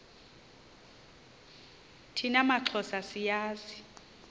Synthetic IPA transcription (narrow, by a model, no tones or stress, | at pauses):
tʰinamaǁʰɔsasijaːzi